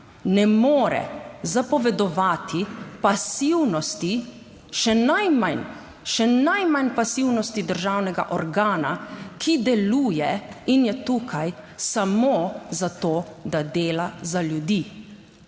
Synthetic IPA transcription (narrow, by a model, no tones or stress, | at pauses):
nɛmoːɾɛ̰zapɔʋɛd̪ɔʋaːt̪ʰipasiwnɔst̪i | ʃɛnajman | ʃɛnajmanpasiwnɔst̪id̪əɾʒaːwnɛɡa̰ʔɔɾɡaːnakʰid̪ɛluːjɛinjɛt̪uːkʰajsamozat̪oːd̪ad̪eːlazaljud̪iː